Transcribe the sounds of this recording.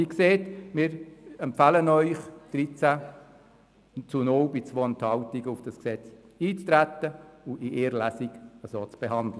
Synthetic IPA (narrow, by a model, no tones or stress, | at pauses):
ikseːtmɪɾɛmpfælənœʏχd̥ɾit͡sæ | t͡sunowbɪt͡sʋoːənt̪hɑwtiɡəʊfd̥ɑsksɛt͡s | iːt͡st̪ɾæt̪ːəʊiʔeːɾlæsiɡəsoːt͡sb̥eɦɑnd̥lə